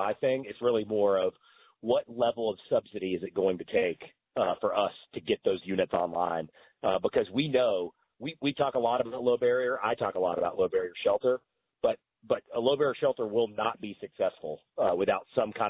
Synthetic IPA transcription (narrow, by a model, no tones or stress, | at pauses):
aɪθɪ̃ŋɨtsɹɪlˠimɔɹʌv | wʌtˡlɛvl̩ˠʌv̥sʌb̥sɨɾiɨzɨt̚ɡ̥oʊɪ̃ŋtʰɨtʰeɪk | fə˞ʔʌstʰɨɡɛt̪̚ðoʊzjʉnɨtsɑ̰̃nlã̰ɪ̃n | ʌbəkʰʌzwinoʊ | wiwitʰɔkəlɔɾəbaʊtˡloʊbɛɹiə˞ʔa̰ɪtʰɔkəlɔ̰ɾəbaʊtˡloʊbɛɹiə˞ʃɛlˠtə˞ | b̥ʌt̚ | b̥ʌɾəloʊbɛɹiə˞ʃɛlˠtə˞wɪlˠnət̚b̥isɨksɛsfl̩ˠ | wəθaʊtsʌ̃mkʰãɪ̃